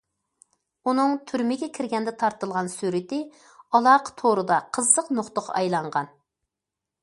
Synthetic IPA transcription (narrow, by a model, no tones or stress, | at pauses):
unɨŋt̪ʰyɾmɪɡʲɛkʲʰɪɾɡʲɛnd̪ɛt̪ʰɑɾt̪ɨlˠʁɑnsyɾɪt̪ɪ | ɑlˠɑqʰt̪ʰoɾɨd̪ɑqʰəzːəqnoχt̪ʊqʰɑ̰ɑjlˠɑɴʁɑ̰n